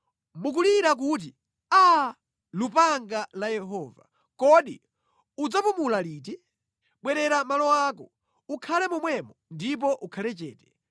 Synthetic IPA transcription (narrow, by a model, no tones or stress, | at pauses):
muk̬uliɾak̬uːt̬i | a | lupaŋɡalajɛɦɔːva̰ | kɔɗi | ud͡zapumulaliːt̬ɛ | ɓwɛɾɛɾamalɔwaːkɔ | ukʰalɛmumwɛmɔndip̬ɔʔukʰalɛt͡ʃɛːtɛ̥